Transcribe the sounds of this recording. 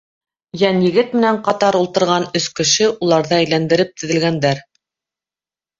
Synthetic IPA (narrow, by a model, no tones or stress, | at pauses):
jænjɘ̆ɡɘt̪̚mɘ̆næɴqɑt̪ɑɾulˠt̪ɤ̆ɾʁɑnɵskɘ̆ʃɘʔulˠɑɾðɤæjlænd̪ɘ̆ɾɘp̚t̪ɵ̆ðɘ̆lɡænd̪æɾ